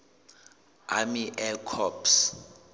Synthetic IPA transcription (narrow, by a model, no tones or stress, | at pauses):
a̰miʔɛkʰɔps